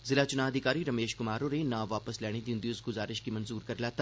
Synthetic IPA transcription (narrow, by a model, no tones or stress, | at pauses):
zɪlaːt͡ʃʊnaːɐd̪ʱɪkaːɾiɾɐmeːʃkʊmaːɾonenaːʋaːpəslɛːɽ̃id̪iʊ̃nd̪iʊsɡʊzaːɾɪʃkimɐnzuːɾkɐɾlaːt̪a